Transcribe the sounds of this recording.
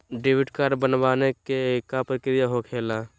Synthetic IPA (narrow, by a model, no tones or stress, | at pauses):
ɖeːwɪʈkaːɾɖbənʋaːnekekapəɾkeɾijaɦokʰeːla